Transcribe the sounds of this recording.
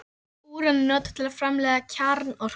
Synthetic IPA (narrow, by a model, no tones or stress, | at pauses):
uːɾannɔːt̪t̪ʰɪlaðfɾamlɛːðacʰaɾnɔr̥